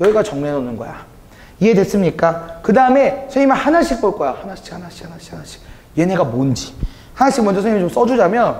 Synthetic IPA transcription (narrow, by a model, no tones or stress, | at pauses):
jʌiɡat͡ɕʌŋnenonɯnɡʌ̰ja̰ | ie̞dwes͈ɯmɲik͈akɯdaɯme̞sʰeimahanaɭɕ͈ik̚p͈oɭk͈ʌjahanaɭɕ͈ʰi̥khanaɭɕ͈i̥hanaɕ͈i̥kʰanaɕ͈i̥k̚ | je̞nɦe̞ɡamond͡ʑi | hanaɭɕ͈iɡ̚kmʌnd͡ʑʌsʰeɲimit͡ɕoms͈ʌd͡ʑud͡ʑamjʌn